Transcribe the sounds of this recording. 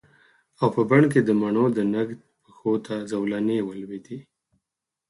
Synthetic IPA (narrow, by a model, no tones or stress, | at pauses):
awpəbaɳk̬ed̪əmaɳod̪ənaɡd̪̚pəxot̪ʰazawlanewəlwet̪i